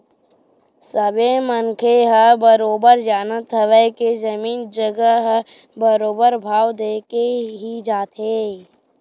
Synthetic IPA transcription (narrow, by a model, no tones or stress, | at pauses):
səbemənkʰeɦəbəɾoːbəɾd͡ʒaːnət̪ʰːəʋəked͡ʒəmiːnd͡ʒəɡəɦə | bəɾoːbəɾbʱaːwd̪eːkeɦid͡ʒaːt̪eː